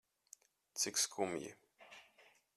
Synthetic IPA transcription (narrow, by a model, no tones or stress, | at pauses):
t͡sɪkskʰumjɪ̰